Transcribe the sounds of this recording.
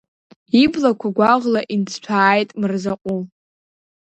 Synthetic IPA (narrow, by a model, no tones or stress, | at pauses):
iblakʷʰaɡʷaʁlaʔint͡sʰt͡ʃʷʰaːjtʼmɨrzaqʷʼu